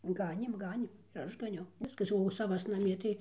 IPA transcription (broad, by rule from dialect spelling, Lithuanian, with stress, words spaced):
ˈɡɑːnʲeːm ˈɡɑːnʲeːm ɪr ˈɐʃ ɡɐˈnʲɛʊ ˈʋʲɪskɐs oː sɐˈʋɐs nɐˈmʲiɛ tɐɪ